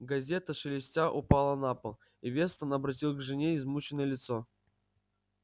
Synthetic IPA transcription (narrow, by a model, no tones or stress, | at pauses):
ɡɐzʲe̞t̪əʂɨlʲɪsʲtʲaʔʊpalˠənapəlˠ | ivʲe̞st̪ənɐbɾɐt̬ʲilˠɡʐɨnʲeɪzmut͡ɕɪnəjəlʲɪt̪so